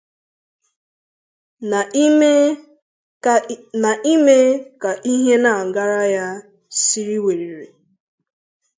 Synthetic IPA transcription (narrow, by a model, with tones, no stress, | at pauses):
na˨ʔi˦me˦ka˨ʔi˦ɦe˦na˨ŋ̩˨ɡa˦ɾa˦ja˦ | si˦ɾi˦we˨ɾi˨ɾe˨